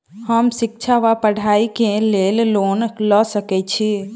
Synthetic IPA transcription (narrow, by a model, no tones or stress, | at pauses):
həmsik̚t͡ʃʰaʋapəɽ̤ʱaikelellonləsəkɛt͡ʃʰi